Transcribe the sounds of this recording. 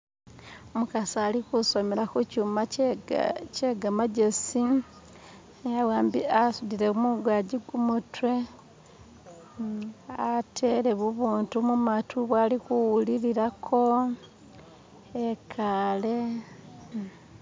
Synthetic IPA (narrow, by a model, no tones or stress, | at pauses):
omukasaːlikuso̞melakucuma | ceɡamaɟe̞si | awaːmbiasudiɾemuɡwaːɟiɡumutwe | atʰeɾe̞βuβuːntumumatʰuβwaːlikuwuliɾiɾakʰo̞ | ekʰale̞